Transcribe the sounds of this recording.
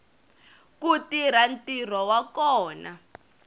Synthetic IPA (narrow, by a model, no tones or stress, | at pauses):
kutiɾ̤antir̤ɔwakɔːna